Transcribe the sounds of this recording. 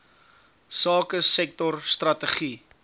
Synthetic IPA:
sɑːkəsɛk̚tɔrst̪rɐtəχi

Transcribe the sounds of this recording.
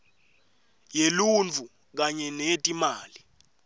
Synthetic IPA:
jelunt͡fu | k̬aɲɛnetʼimaːli

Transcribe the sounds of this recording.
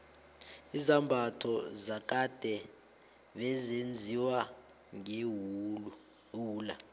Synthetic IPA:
izambʱatʰɔzak̬ʼad̥ʱɛ | ɓɛzend͡zʱiwa | ŋe | ɦuːla

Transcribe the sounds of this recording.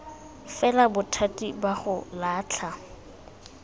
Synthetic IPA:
fɛlabʊtʰatʼibaχʊlaːt͡ɬʰa

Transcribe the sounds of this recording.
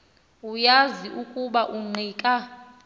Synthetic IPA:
ujaziʔukʼuɓaʔuŋ͡ǃʱiːkʼa

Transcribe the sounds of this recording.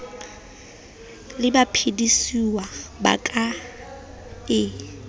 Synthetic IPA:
lɪbapʰidisiwaba̰kʼa | ɪ

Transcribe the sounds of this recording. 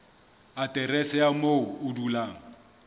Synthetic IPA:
atʼɛrɛsɛamoʊʊdulaːŋ̩

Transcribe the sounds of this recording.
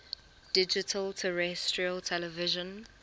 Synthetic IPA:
d̥ɪd͡ʒɪtʰəltʰəɹɛstʰɹiəltʰɛlɛvɪʒə̃n

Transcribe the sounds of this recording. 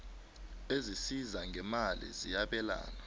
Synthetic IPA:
ezisizaŋʱɛmalḭzijaɓɛla̰ːna

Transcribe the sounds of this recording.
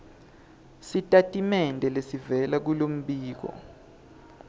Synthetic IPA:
sitʼatʼimɛndʱɛlesivɛlak̬ulom̩ɓiːk̬ɔ̰

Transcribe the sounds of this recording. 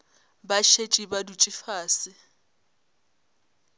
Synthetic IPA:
baʃet͡ʃʼibadut͡ʃʼɪfaːsɪ

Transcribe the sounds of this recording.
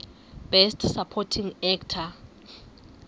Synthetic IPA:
b̥ɛstʰsapʰɔtʰiŋɛktʰa

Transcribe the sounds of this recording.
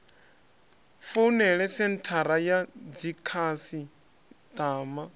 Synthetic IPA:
funɛɺɛsɛntʰaɾajad͡zikʰasi | t̪aːma

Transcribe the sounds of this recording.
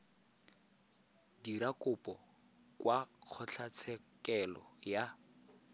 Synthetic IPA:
dirakʊpʼɔ | kwaq͡χʰɔɬʰat͡sʰɛkɛlɔ̰ja

